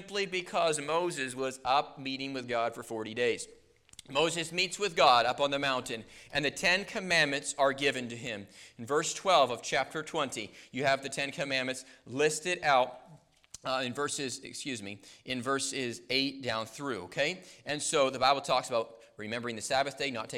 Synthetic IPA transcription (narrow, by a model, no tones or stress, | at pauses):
mplibɨkʰʌzmoʊzɨzwʌzʌp̚miɾɪ̃ŋwɨðɡɑd̥fə˞fɔɹɾideɪz̥ | moʊzɨzmitswɨðɡɑɾʌpn̩ðɨmãʊ̃ntɨ̃nɨ̃nðɨtʰɛ̃nkʰɨmæ̃nmɨ̃ntsə˞ɡɪvɨ̃ntɨɪ̃mɨ̃n̩vɜ˞stʰw̥ɛlˠvʌv̥t͡ʃʰæp̚tʰə˞tʰw̥ɛ̃ntijɨːvðɨtʰɛ̃nkʰɨmæ̃nmɨ̃ntslɪstɨɾaʊt̚ | ɨ̃nvɜ˞sɨzɨ̰kskjʉzmiʔɨ̃nvɜ˞sɪzeɪt̚d̥ãʊ̃nθɹʉo̰ʊkʰeɪɨ̃nsoʊðɨbaɪbl̩ˠtʰɔksəbaʊt̚ | ɹɨmɛ̃mbə˞ɪ̃ŋðɨsæbɨθd̥eɪnətʰe